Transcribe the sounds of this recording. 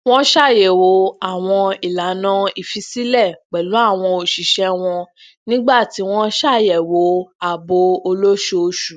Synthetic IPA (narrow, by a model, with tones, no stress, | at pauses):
w̃ɔ̃˦ʃa˦˨jɛ˨wo˨˦a˦˨w̃ɔ̃˧i˨la˨˦nã˧i˨fi˧si˦lɛ˦˨k͡pɛ˨lu˨˦a˦˨w̃ɔ̃˧o˨ʃi˨ʃɛ˧w̃ɔ̃˧ | nĩ˦ɡ͡ba˦˨ti˨˦w̃ɔ̃˦ʃa˦˨jɛ˨wo˨˦a˨bo˧o˧lo˦ʃo˦˧ʃu˨